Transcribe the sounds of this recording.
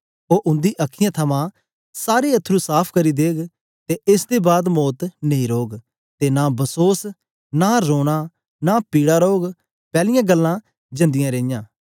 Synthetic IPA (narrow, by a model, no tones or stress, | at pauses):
oːʔʊ̃nd̪iːʔɐkʰːɪjãːt̪ʰəmãː | saːɾeːət̪ʰːɾuːsaːpʰkəɾiːd̪eːɡ | t̪eɪsd̪eːbaːd̪mɔːt̪neĩːɾoːɡ | t̪enaːbəsoːs | naːɾoːɽ̃aː | naːpiːɽaːɾoːɡ | pɛːlɪjãːɡəlːãː | d͡ʒə̃nd̪ɪjãːɾeːɪjãː